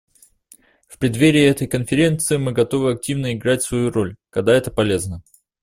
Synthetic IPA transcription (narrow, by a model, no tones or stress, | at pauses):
fpɾʲɪd̪vʲeɾʲɪɛt̪əjkənfʲɪɾʲe̞nt̪sɨɪmɨɡɐt̪o̞vɨɐk̚tʲivnəɪɡɾatʲsvɐjuɾo̞lʲkɐɡ̚d̪aɛt̪əpɐlʲe̞znə